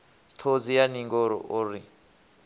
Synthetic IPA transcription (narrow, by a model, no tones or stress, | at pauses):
t̪ʰod͡zijaniŋɡɔɾɔ̰ʔuɾi